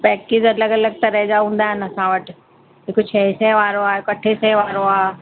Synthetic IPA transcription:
pɛːkɪd͡ʑɐləɡɐləɡ̚t̪ɐɾɐɦɪd͡ʑaɦũːn̆d̪aːɦɪnɪɐsãʋɐʈɪ̆ | ɦɪkot͡ɕʰɐɪsɛ̃ʋaːɾoaːɪkɐʈʰesɛɦʋaːɾoaː

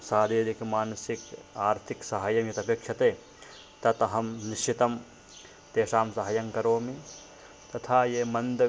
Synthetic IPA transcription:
saːd̪ʱeːɾikmaːnɐsikaːɾt̪ʰiksɐɦajɐmjɐt̪ɐpeːkʂɐt̪eː | t̪ɐt̪ɐɦɐmniʃt͡ʃit̪ɐm | t̪eːʃaːmsɐɦɐjɐŋkɐɾoːmi | t̪ɐt̪ʰaːjeːmɐnd̪

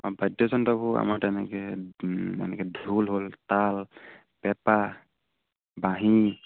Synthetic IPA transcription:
ɔbədɔsɔntɔbua̰maɾʈanɛke | a̰nɛkedʱulɦolt̪al | pɛpa | bãɦĩ

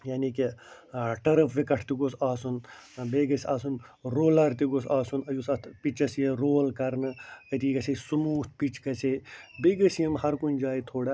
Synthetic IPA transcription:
jaːniki | ʈɐɾɐpʰʋikɐʈʰt̪iɡoːsaːsunbeːɡɐsaːsunɾoːlɐɾt̪iɡosaːsunɐjusɐt̪pit͡ʃɐsjeɾoːlkɐɾnɨkɐt̪iːkɐsʰesumuːt̪̚ʰpit͡ʃʰkɐt͡sʰeːbeɡəsjimhɐɾkunʲd͡ʒaːjt̪ʰoːɽa

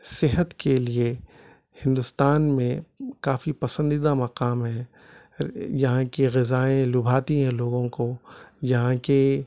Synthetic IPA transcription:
sɪɦət̪kelie | hɪ̃nd̪ʊst̪aːnmẽkaːfipɐsə̃nd̪id̪amɐqaːmɦɛ̃ | jɐɦãkeɣɪzaːẽlʊbʱaːt̪iɦɛ̃loːɡõkojɐɦãke

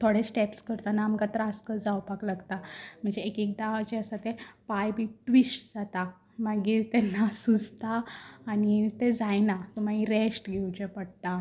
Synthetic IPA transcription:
t̪ʰoɽesʈepskəɾt̪anaːməkat̪əɾaskəd͡zawpaklaɡt̪am̤əɳd͡zeːkik̚d̪aʋat͡ɕeəsat̪epajbiʈʋisʈd͡zat̪a | maɡiːɾt̪ɛnːasud͡zʱt̪aːnit̪ed͡zajnasɔmaiɾesʈɡʱeut͡ɕepəɽt̪a

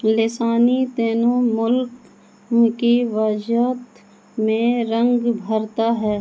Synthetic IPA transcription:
lɪsaːnit̪eːnomʊlk | kiʋaːd͡ʒjaːt̪ | mẽɾə̃ŋɡbʱəɾt̪aɦɛː

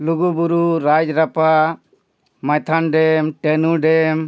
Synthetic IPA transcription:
luɡubuɾuɾad͡ʒɾapa | majt̪ʰanɖɛmʈenuɖɛm

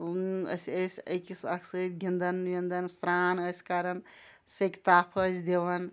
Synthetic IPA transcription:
ə̰səsʲəjkisɐkʰsət̪̚ɡʱind̪ənʋind̪ənst̪ɾaːnəsʲkaɾən | sekt̪aːpʰəd͡ʒd̪eʋən

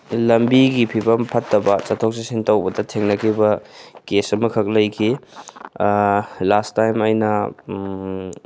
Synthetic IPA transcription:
lɐmbiɡipʰibɐmpʰɐtʰːɐbɐt͡ʃɐtʰok̚sesintɐwbɐdɐtʰeŋnɐkʰibɐkesɐmɐkʰɐk̚lɐjkʰi | lastajmɐjnɐ

